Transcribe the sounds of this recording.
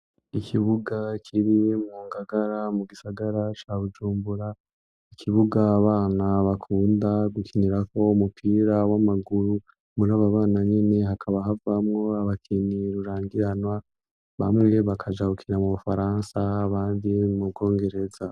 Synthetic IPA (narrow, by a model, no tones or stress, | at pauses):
ikʰiβuɡakʰiɾijemuːŋɡaɡaɾamuɡisaɡaɾat͡ʃaβud͡ʒuːmbuɾa | ikʰiβuɡaβaːnaβakʰuːndaɡukʰiniɾako̞umupʰiɾawamaɡuɾu | muɾaːβaβaːnaɲene̞ɦakʰaβaɦavamŋo̞aβakʰiniɾuɾaːŋɡiɾanwa | βa̰mŋe̞βakʰad͡ʒaɡukʰinamuβufaɾansaːβaːndimub̚ɡo̞ːŋɡe̞ɾe̞za